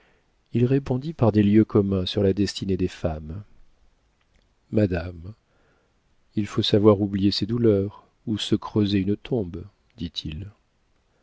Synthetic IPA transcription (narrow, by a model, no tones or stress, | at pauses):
ilʁepɔ̃d̪ipaʁd̪eljøkɔmɛ̃syʁlad̪ɛst̪ʰined̪efam | ad̪am | ilfosavwaʁublijesed̪ulœʁ | usəkχøzeynət̪ʰɔ̃b | d̪̥it̪ʰil